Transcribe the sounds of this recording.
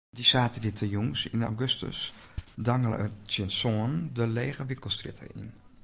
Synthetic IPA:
disaːtədɪtʰəjuŋsina̰wɡøstə̰s | daŋələ̰sənsɔndəleːɣəʋɪkəl̩ˠstrɪtʰə̰ḭn

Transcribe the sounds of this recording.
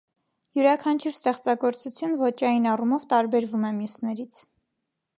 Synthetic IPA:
juɾɑkʰɑnt͡ʃʰuɾst̪ɛχt͡sɑɡɔɾt͡sut͡sʰjunvɔt͡ʃɑjinɑrumɔvt̪ɑɾbɛɾvumɛmjusnɛɾit͡sʰ

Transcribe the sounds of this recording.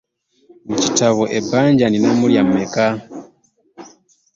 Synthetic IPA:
mucitaβɔʔebaɲɟaninamuljameka

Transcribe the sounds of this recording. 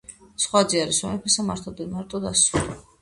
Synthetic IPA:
sχwad̪ziaɾisɔmɛpʰɛsamaɾt̪ʰɔd̪inmaɾt̪ʼɔd̪asuli

